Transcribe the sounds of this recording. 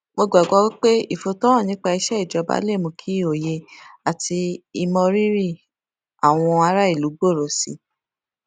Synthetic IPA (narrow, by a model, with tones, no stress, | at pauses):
mo˧ɡ͡ba˨ɡɔ˨˧˦wi˦k͡pe˦i˦˨fo˧tɔ˦ɔ̃˦˨nĩ˨˦k͡pa˧i˧ʃɛ˦i˦˨d͡ʒɔ˨˧ba̰˦le˦˨mũ˧kʰi˦˨o˨je˧a˨tʰi˧i˧mɔ̃˧ɾi˦ɾi˦˨ | a˨w̃ɔ̃˧a˧ɾa˦i˦˨lu˨˦ɡ͡bo˦˨ɾɔ˨sḭ˨˧